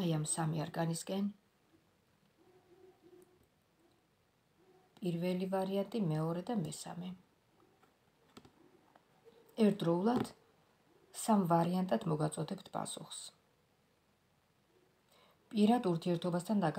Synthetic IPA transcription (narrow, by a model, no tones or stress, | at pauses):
ajamsamiaɾɡaniskʼɛn | pʼiɾvɛlivaɾiant̪ʼimɛɔɾɛd̪amɛsa̰mɛ | ɛɾtd̪ɾɔulˠad̪̥ | samvaɾiant̪ʼad̪̥mɔɡat̪sʼɔd̪ɛpt̪ʰpʼa̰suχs | pʼiɾad̪uɾt̪ʰiɛɾt̪ʰɔbast̪ʰand̪akʼ